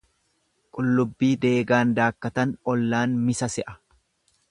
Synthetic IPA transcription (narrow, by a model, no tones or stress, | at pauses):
kʼʊlːʊbːiːd̪e̞ːɡaːnd̪aːkːɐt̪ɐnɔlːaːnmɪsɐsɛʔɐ̥